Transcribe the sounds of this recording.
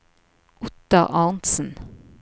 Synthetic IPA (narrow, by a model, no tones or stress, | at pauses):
ʔʊt̪ɑʔɑːnt̪sn̩